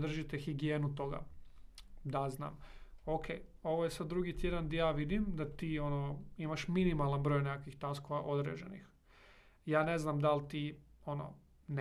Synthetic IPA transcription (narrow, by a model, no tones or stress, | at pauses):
d̪r̩ʒit̪exiɡijeːnut̪o̞ɡa̰ | d̪azna̰ːmokʰḛː | o̞ʋojesad̪̚ːɾuɡit̪je̞d̪and̪ajaːʋid̪imd̪at̪iːo̞noimaʃminimalˠanbɾo̞jnekakʋixt̪askoʋaʔo̞d̪ɾḛd͡ʑḛnḭx | jaːne̞znamd̪alt̪io̞no̰ | n